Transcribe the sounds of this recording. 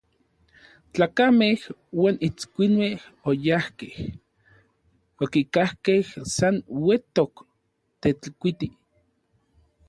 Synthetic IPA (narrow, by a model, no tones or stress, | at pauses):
t͡ɬaːkamehwaːnit͡skʷinmehojahkeh | okikahkehsanwet̪ok | t̪et͡ɬkʷit̪i